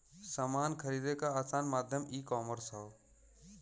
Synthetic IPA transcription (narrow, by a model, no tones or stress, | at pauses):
samaːnkʰəɾiːd̪ekaːsaːnmaːd̪ʱjəmiːkɔːməɾsɔː